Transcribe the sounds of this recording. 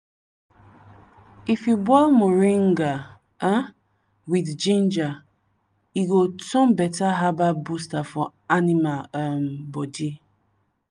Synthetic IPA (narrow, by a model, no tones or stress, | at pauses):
ifjubɔlmoɾiŋ̩ɡa | a | widd͡ʒĩnd͡ʒa | iɡotɔ̃m̩bɛtaɦababustafɔ | animam̩bɔdi